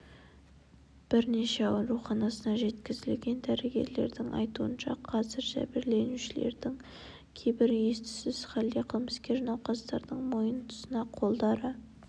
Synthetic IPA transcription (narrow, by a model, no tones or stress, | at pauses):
b̥ɪɾneʃeɑɾuχɑnɑsənɑʒe̞t̪kʲɪzɪlɡʲe̞nd̪æɾeɡʲe̞̰ɾle̞̰ɾd̪ɪŋʔɑ̰jt̪uənʃɑqʰɑzɪɾʒæ̰bɪɾle̞nuʃɪle̞̰ɾd̪ɪŋ | kʲʰejbɪɾje̞st̪ɪ̥sɪzχælːeqʰəlˠməskʲe̞ʒnɑwqɑst̪ɑɾd̪əɴmo̞jənt̪ʰʊ̥sənɑqʰo̞lˠd̪ɑɾə